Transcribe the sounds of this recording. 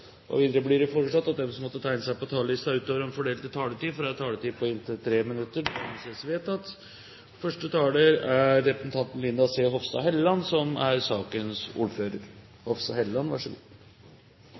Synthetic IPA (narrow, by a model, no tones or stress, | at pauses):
ʔɔ̰ʋiːd̪əɾəblɪɾəfoːɾəʂɑt̪ːɑt̪̚d̪ɛmsɔmɔt̪ːət̪ʰæɪnəsæɪpɔt̪ʰɑːləlɪst̪ɑʉːt̪oːʋəɾɛnfɔɖeːlt̪ɪt̪ʰɑːləʈiːfɔɾɑɛt̪t̪ʰɑːləʈ̪iːpʰɔɪnt̪ət̪ʰɾeːmɪnʉt̪ːəmseːsʋeːt̪ɑt̪ː | fœʂʈət̪ʰɑːləɾæɾːɛpɾəsənt̪ɑnt̪n̩lɪnd̪ɑseːɦɔfst̪ɑ̰ɦɛləlɑnsɔmæɾsɑːkənsṵːɾføːɾəɾ | hɔfst̪ɑhɛllɑnʋɑ̰ʂəɡṵː